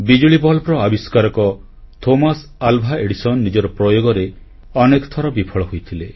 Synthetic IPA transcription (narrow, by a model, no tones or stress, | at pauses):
bid͡ʒuɭibɔɦlɔpɾɔabiskaɾɔkɔ | t̪ʰomas | albʱaeɽisɔnɔːid͡ʒɔɾɔpɾɔjoɡɔɾe | ɔnekɔ̥t̪ʰɔɾɔbipʰɔɭɔɦojt̪ʰile